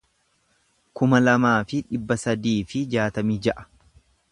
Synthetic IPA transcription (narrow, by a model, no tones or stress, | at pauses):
kʊmɐlɐmaːfɪᶑɪbːɐsɐd̪iːfɪd͡ʒaːt̪ɐmiːd͡ʒɐʔɐ̥